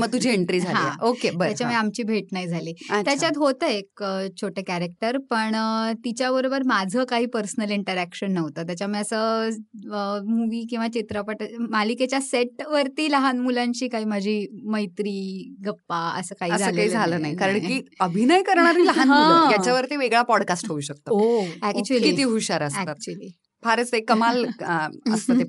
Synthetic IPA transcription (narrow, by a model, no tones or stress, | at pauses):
məɡ̚t̪ud͡ʑʱiːeɳʈɾiːd͡zʱalɦaĩʔokebəɾjat͡ɕjaməiamt͡ɕiːbʱeʈnajd͡zʱaliːat̪jat͡ɕjat̪ɦot̪əekt͡ɕʰoʈekæɾek̚ʈəɾpəɳt̪it͡ɕjabəɾobəɾmad͡zʱəkaɦiːpəɾsənəliɳʈəɾækɕənːəʋt̪ət̪jat͡ɕjamijəsəː | muʋiːkĩw̃ʋat͡ɕit̪ɾəpəʈmaliket͡ɕjaseʈʋəɾt̪iːləɦanmulãɲt͡ɕiːkaɦiːm̤əd͡ʑʱiːməjt̪ɾiːɡəpːaə̰səːkaɦiəd͡zʱaəːlkaɦiːd͡zʱaləːnajkaɾəɳkiːəbʱinəjkəɾɳ̃aɾiːləɦanɦãũajat͡ɕjaʋəɾt̪iːʋeɡɭapɔɽkasʈɦouɕək̚t̪ooækt͡ɕuəlit̪iːɦuɕaɾəsæt̪at̪̚t͡ɕuəli | faɾət͡sekəmal | əst̪əe